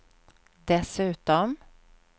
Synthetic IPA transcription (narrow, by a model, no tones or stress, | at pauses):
d̪ɛsʉ̟ːt̪ɔm